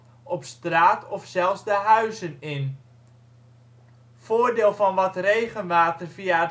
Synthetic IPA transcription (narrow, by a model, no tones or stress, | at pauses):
ɔpstraːtʰɔfsɛlˠfszdəɦœɥzənɪn | foːrdɪːlˠvɑnʋɔtrejɣənʋaːtərviaət